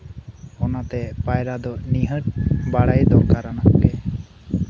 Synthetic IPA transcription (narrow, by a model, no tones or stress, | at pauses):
ɔnat̪ɛpajɾad̪ɔniɦəʈ̚baɽajd̪ɔkaɾanakkɛ